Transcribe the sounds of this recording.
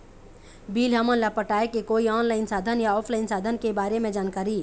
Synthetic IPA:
biːlɦəmənlapəʈaekekoiɔːnlaɪnsaːd̪ʱənjaɔːpʰlaɪnsaːd̪ʱənkebaːɾemẽd͡ʒaːnkaːɾi

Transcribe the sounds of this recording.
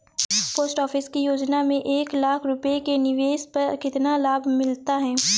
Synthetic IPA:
poːsʈɔːfʰɪskijoːd͡ʒnamẽʔeːklaːkʰɾʊpekenɪʋeːspɐɾkɪt̪nalaːbʱmɪlt̪aɦɛː

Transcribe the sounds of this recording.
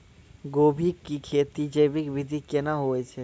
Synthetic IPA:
ɡoːbʱikːikʰeːt̪id͡ʒeːbɪkʋɪd̪ʱikenaɦoːet͡ʃʰe

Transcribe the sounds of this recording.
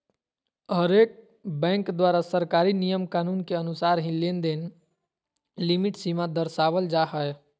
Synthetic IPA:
ɦəɾeːk̚ | bɛ̃ːŋkd̪waːɾasəɾkaːɾinijəmkaːnuːnkeənʊsaːɾɦĩlend̪eːn | limɪʈsimad̪əɾsaːʋəld͡ʒaɦəɛ

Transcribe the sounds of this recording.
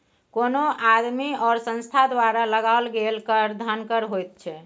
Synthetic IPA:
konoad̪miɔːɾsə̃nst̪ʰad̪waɾaləɡalɡelkəɾd̪ʱənkəɾɦojt̪̚t͡ʃʰɛ

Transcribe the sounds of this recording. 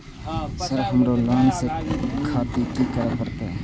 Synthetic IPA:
sɪɾɦəmɾoːləːnsekʰaːt̪ikiːkəɾeːpəɾt̪eɛ

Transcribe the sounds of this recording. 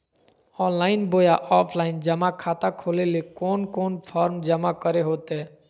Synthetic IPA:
ɔːnlaːɪnboːjaʔɔːpʰlaːɪnd͡ʒəmakʰaːt̪akʰoːlelekoːnkoːnpʰɔːɾmd͡ʒəmakəɾeɦoːt̪e

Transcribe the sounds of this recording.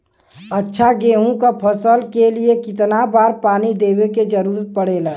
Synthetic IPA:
ətːʃʰaɡeːɦũkapʰəsəlkeliekɪt̪nabaːɾpaːnid̪eːweked͡ʒəɾuːɾət̪̚pəɽeːlaː

